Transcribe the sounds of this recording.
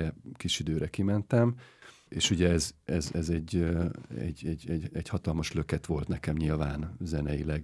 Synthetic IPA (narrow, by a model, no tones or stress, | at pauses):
ɛkiʃid̪øːɾɛkimɛnt̪ɛm | eːʃuɟɛɛzɛzɛzɛɟːøɛ̰ɟːɛɟɛɟɛɟhɒt̪ɒlmɒʃlø̞kɛt̪ʋo̞lt̪nɛkɛmɲilvaːnzɛnɛjilɛɡ